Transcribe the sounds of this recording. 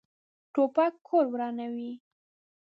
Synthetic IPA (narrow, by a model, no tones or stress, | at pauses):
ʈopakʰːoɾwɾɑnawi